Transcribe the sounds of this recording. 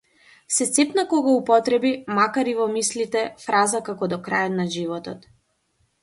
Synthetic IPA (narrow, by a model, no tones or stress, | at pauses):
sɛt̪sɛpnakɔɡaupɔt̪ɾɛbimakaɾivɔmislit̪ɛfɾazakakɔd̪ɔkɾajɔt̪naʒivɔt̪ɔt̪